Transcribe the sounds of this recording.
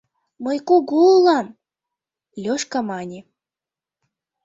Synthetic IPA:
mɤjkuɡulɑm | lʲoʃkɑmɑnʲi

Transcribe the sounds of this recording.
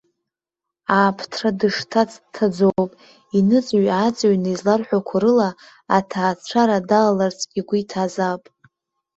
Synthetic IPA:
aːpʰtʰradɨʂtʰat͡sʰʼtʰːad͡zowpʼ | inɨt͡sʼɥat͡sʼaɥnazlarħʷakʷʰaɾɨlaː | tʰaːt͡sʷʰaɾadallart͡sʼɡʲʼiɡʷʊitʰazapʼ

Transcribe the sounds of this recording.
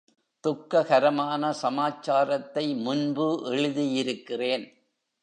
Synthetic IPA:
t̪ʊkːɐɣɐɾɐmaːnɐsɐmaːt͡ʃːaːɾɐt̪ːɐɪmʊnbɯʔɛɻɯðijɪɾɯkːɪreːn

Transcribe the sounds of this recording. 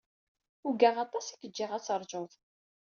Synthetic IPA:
ʊɡæʁɑt̪ˤɑsikːəd͡ʒːɪʁæt͡sːəɾˤʒoðˤ

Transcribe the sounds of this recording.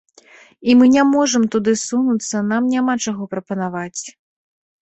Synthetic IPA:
imɨnʲamɔʐɐmt̪ud̪ɨsunut̪sːɐnamnʲamat͡ʂaɣɔpɾɐpɐnavat͡sʲ

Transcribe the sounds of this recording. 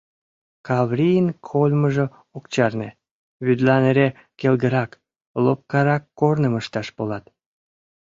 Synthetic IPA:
kɑβrʲijnkʰolʲməʒĕ | okt͡ɕɑrne | βyd̪lɑneɾe | kelɡəɾɑk | lop̚kɑɾɑkːornəməʃt̪ɑʃpolɑt̪

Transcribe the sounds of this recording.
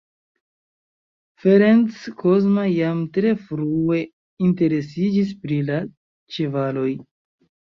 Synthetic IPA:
feɾent͡skʰo̞zmajamtɾe̞fɾue̞ | inte̞ɾe̞s̬id͡ʒispɾila | t͡ʃevalo̞j

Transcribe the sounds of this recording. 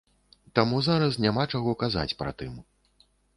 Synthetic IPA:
t̪amuzaɾɐs̬nʲamat͡ʂaɣɔkaza̰t͡sʲpɾa̰t̪ɨm

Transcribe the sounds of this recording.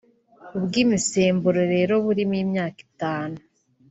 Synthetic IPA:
ubɡiːmiseːmbuɾoɾe̞ːɾo̞βuɾimiːmɲaːki̥taːnu

